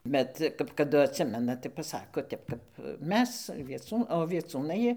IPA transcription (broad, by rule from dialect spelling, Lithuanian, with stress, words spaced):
ˈbʲɛt kɐp kɐˈdʊ ɐtʲˈsʲɪmʲɛnɐ tɐɪ pɐˈsɑːkoː ˈtʲɛp kɐp ˈmʲɛs ʋʲiɛˈt͡suː oː ʋʲiɛˈt͡suːnɐɪ